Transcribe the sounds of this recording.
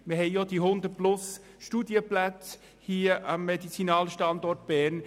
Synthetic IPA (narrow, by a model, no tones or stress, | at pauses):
məhɛɪjod̥̪iɦʊnd̪əplʊs | ʃtuːdjəplæt͡s | hiːəʔɑmːed̪it͡sinɑːlʃtɑnd̪ɔrt̚b̥æːn